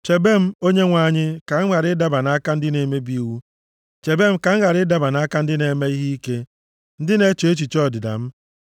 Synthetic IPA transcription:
t͡ʃe˨be˦m̩˦o˦ɲe˦ŋʷa˦˨ɲɪ˦ka˨ŋ̩˦ŋa˨ɾɪ˦da˦ba˨na˦ka˦n̩˦dɪ˦ne˨me˦bi˦wu˦ | t͡ʃe˨be˦m̩˦ka˨ŋ̩˦ɣa˨ɾɪ˦da˨ba˨na˦ka˦n̩˦dɪ˦ne˨˦me˦i˦ɦi˦i˦ke˦ | n̩˦dɪ˦ne˦t͡ʃi˨e˦t͡ʃi˨t͡ʃɔ˦˨dɪ˨da̰˨m̩˦

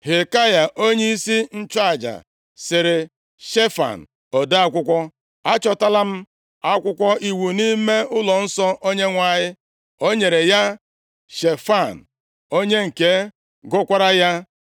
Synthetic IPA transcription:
he˨ka˦ja˨ʔo˦ɲe˦i˦si˦n̩˦t͡ʃa˦˨d͡ʒa̰˨ | sɪ˨ɾɪ˨ | ʃe˦fa̰˨n̩˨ | ɔ˨da˦a˦kʷʊ˦kʷɔ˦ | a˦t͡ʃɔ˨ta˦la˦m̩˦ | a˦kʷʊ˦kʷɔ˦i˨wu˨ni˦me˦ʊ˦lɔ˨n̩˦sɔ˦ʔo˦ɲe˦ŋʷa˨ɲɪ˦ | o˦ɲe˨ɾe˨ja˦ | ʃe˨fa˦˨n̩˨ | o˦ɲe˦ŋ̩˨ke˦ | ɡʊ˦kʷa˦ɾa˦ja˦

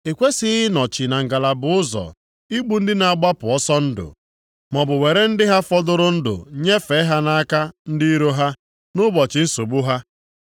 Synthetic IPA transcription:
e˨kʷe˦sɪ˦ɪ˦nɔ˨t͡ʃɪ˨na˨ŋ̩˨ɡa˨la˨bʊ˨ʊ˦zɔ̰˨ | i˦ɡ͡bu˦n̩˦dɪ˦na˨a˨ɡ͡ba˦pʊ˨ɔ˦sɔ˦n̩˦dʊ̰˨ | mɔ˨bʊ˨we˨ɾe˦n̩˦dɪ˦ɦa˦fɔ˦dʊ˦ɾʊ˦n̩˦dʊ̰˨ɲe˦fe˨˦ɦa˦na˦a˦ka˦n̩˦dɪ˦i˦ɾo˦ɦa˦ | nʊ˦bɔ˨t͡ʃɪ˨˦n̩˦so˨bu˦ɦa˦

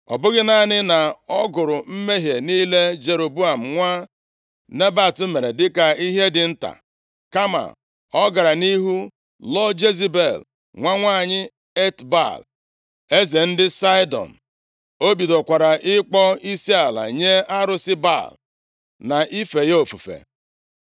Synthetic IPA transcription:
ɔ̰˨bʊ˦ɡɪ˦na˦˨nɪ˦na˨ɔ˦ɡʊ˨ɾʊ˨m̩˦me˦ɦje˨niː˦le˦d͡ʒe˨ɾo˨bu˦a˨m̩˨ŋʷa˦ | ne˦ba˨tu˦me˨ɾe˨dɪ˦ka˨i˦ɦe˦dɪ˨n̩˦ta̰˨ | ka˦ma̰˨ | ɔ˦ɡa˨ɾa˨ni˦ɦu˦ | lɔ˦d͡ʒe˦zi˦be˦˨l | ŋʷa˦ŋʷaː˦˨ɲɪ˦ | e˦tba̰˦˨l | e˦ze˨n̩˦dɪ˦sa˦jdɔ̰˨n̩˨ | o˦bi˨do˨kʷa˨ɾa˨ʔɪ˦k͡pɔ˦i˦si˦a˨la̰˨ɲe˦a˦ɾʊ˦sɪ˦ba̰˦˨l | na˨ʔi˦fe˨jo˨fu˨fḛ˨

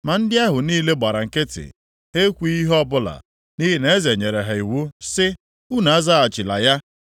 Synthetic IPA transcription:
ma˨n̩˦dɪ˦a˦ɦʊ˨niː˦le˦ɡ͡ba˨ɾa˨ŋ̩˨kɪ˦tɪ̰˨ | e˦kʷi˦i˦ɦɔ˦bʊ˦la̰˨ | ni˦ɦi˦ne˦ze˨ɲe˨ɾe˨ɦa˨i˨wu˦sɪ˦ | u˦na˨a˦za˦a˨t͡ʃɪ˨la̰˨ja˦

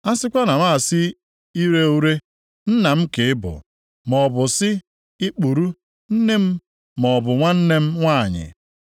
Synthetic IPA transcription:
a˦sɪ˦kʷa˦na˨ma˦˨sɪ˦ | i˦ɾe˦u˦ɾe˦ | n̩˦na˨m̩˦kɪ˨ɪ˦bʊ̰˨ | mɔ˨bʊ˨sɪ˦ | ɪ˦k͡pu˨ɾu˦ | n̩˦ne˦m̩˦ | mɔ˨bʊ˨ŋʷa˦n̩˦ne˦m̩˦ŋʷa˦˨ɲɪ̰˨

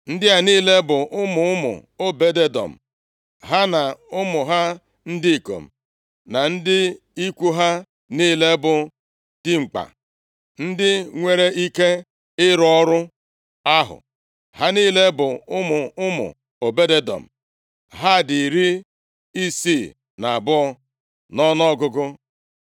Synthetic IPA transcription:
n̩˦dɪ˦a˨ni˦le˦bʊ˨ʔʊ˦mʊ˨ʊ˦mʊ̰˨o˦be˦de˦dɔ̰˨m̩˨ | ɦa˦na˨ʊ˦mʊ˨ɦa˦ | n̩˦di˦i˨ko̰˨m̩˨ | na˨n̩˦dɪ˦ | i˦kʷu˦ɦa˦ | niː˦˨le˦bʊ˨ | d̥ɪ˦ŋ͡m̩˨k͡pa̰˨ | n̩˦dɪ˦ŋʷe˦ɾe˦i˦ke˦ | ɪ˦ɾɔ˦ɾʊ˦ | a˦ɦʊ̰˨ | ha˦niː˦le˦bʊ˨ʊ˦mʊ˨ʊ˦mʊ̰˨ | o˨be˦de˦dɔ̰˨m̩˨ | ɦa˦˨di˨ɾi˦ | i˦si˦˨ | na˨a˨bʊ˦ɔ˦ | nɔ˦nɔ˦ɡʊ˦ɡʊ˦

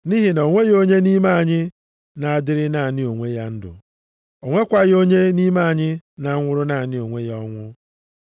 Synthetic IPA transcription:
ni˦ɦi˨n˨o˨ŋʷe˦ɣo˦ɲe˦ni˦ma˦a˨ɲɪ˦ | na˨a˨dɪ˦ɾɪ˦na˨nɪ˦o˨ŋʷe˦ja˦n̩˦dʊ̰˨ | o˨ŋʷe˦kʷa˦ɣɪ˦o˦ɲe˦ni˦ma˦a˨ɲɪ˦na˨˦ŋʷʊ˦ɾʊ˦na˨nɪ˦o˨ŋʷe˦jɔ˦ŋʷʊ˦

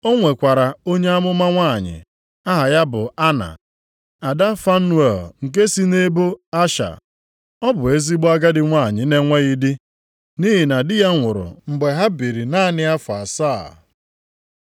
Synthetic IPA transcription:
o˦ŋʷe˨kʷa˨ɾa˨o˦ɲe˦a˦mʊ˦ma˦ŋʷaː˦˨ɲɪ̰˨ | a˦ɦa˨ja˦bʊ˨a˦na̰˨ | a˨da˦fa˦nu˦e˨lŋ̩˨k̬e˦si˦ne˦bo˦a˦ʃa̰˨ | ɔ˦bʊ˨e˦zi˦ɡ͡ba˦ɡa˦dɪ˨ŋʷaː˦˨ɲɪ˨ne˦ŋʷe˦ɣi˦dɪ˦ | ni˦ɦi˨na˨dɪ˦ja˦ŋʷʊ˨ɾʊ̰˨ŋ͡m̩˨ɡ͡be˨ɦa˦bi˨ɾi˨na˦nɪ˦a˦fʊ˨a̰˨saː˦˨

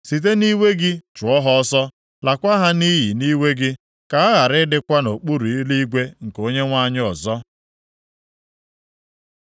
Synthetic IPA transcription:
si˨t̬e˦ni˦we˦ɡɪ˦t͡ʃʊ˨ɔ˦ɦɔ˦ɔ˦sɔ˦ | la˨kʷa˦ɦa˦ni˦ji˨ni˦we˦ɡɪ˦ | ka˨a˦ɣa˨ɾɪ˦dɪ˦kʷa˦no˨k͡pu˦ɾu˨i˦li˦ɡʷe˦ŋ̩˨ko˦ɲe˦ŋʷa˦ɲɪ˦ɔ˨zɔ˦

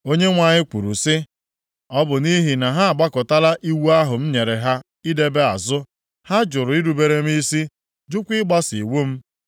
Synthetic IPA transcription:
o˦ɲe˦ŋʷa˨ɲɪ˦kʷu˨ɾṵ˨sɪ˦ | ɔ˦bʊ˨ni˦ɦi˨na˨ɦa˦a˨ɡ͡ba˦kʊ˨ta˦la˦ʔi˦wu˦a˦ɦʊ˨m̩˦ɲe˨ɾe˨ɦa˦ | i˦de˦be˦a˨zʊ˦ | ha˦d͡ʒʊ˨ɾʊ˨i˦ɾu˨be˨ɾe˦m̩˦i˦si˦ | d͡ʒʊ˦kʷi˦ɡ͡ba˦si˨wu˦m̩˦

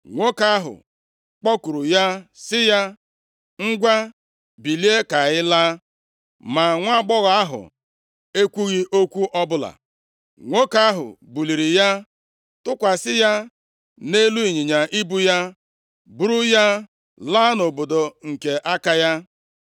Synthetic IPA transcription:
ŋʷo˦ka˦a˦ɦʊ̰˨ | k͡pɔ˦ku˨ɾu˨ja˦sɪ˦ja˦ | ŋ̩˦ɡʷa˦ | bi˨li˦e˦ka˨ɣɪ˦laː˦ | ma˨ŋʷa˦ɡ͡bɔ˦ɣa˨a˦ɦʊ̰˨ | e˦kʷu˦ɣi˦ʔo˦kʷu˦ʔɔ˦bʊ˦la̰˨ | ŋʷo˦ka˦a˦ɦʊ̰˨bu˨li˨ɾi˨ja˦ | tʊ˦kʷa˨sɪ˦ja˦ | ne˦lu˦i˨ɲi˨ɲa˨ʔi˦bu˦ja˦ | bu˦ɾu˦ja˦ | la˦no˨bo˨do˨ŋ̩˨ke˨ʔa˦ka˦ja˦

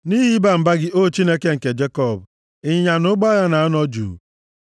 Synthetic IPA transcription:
ni˦ɦi˦ba˦m̩˨ba˦ɡɪ˦ʔo˦˨t͡ʃi˦ne˦ke˦ŋ̩˨ke˨d͡ʒe˦kɔ˦˨b | ɪ˦ɲa˨nʊ˦ɡ͡ba˦ja˦na˨a˦nɔ˦d͡ʒṵ˨

